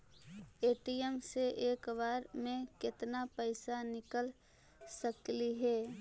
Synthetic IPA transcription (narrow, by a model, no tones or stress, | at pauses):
eːʈiəmseʔeːkbaːɾmẽkɪt̪napəɪsanɪkəl | səkliɦɛː